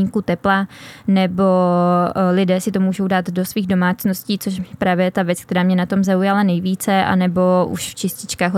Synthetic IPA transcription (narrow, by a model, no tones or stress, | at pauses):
ŋkut̪ɛplanɛbo̞ | lɪdɛːsɪt̪o̞muːʒo̞wdaːt̪do̞sviːɣdo̞maːt͡sno̞sciːt͡soʃpɾaːvjɛɛt̪avjɛt͡skt̪ɛɾaːmɲɛnat̪o̞mzaujalanɛjviːt͡sɛʔa̰nɛbo̞ṵʃft͡ʃɪscɪt͡ʃkaːxɦ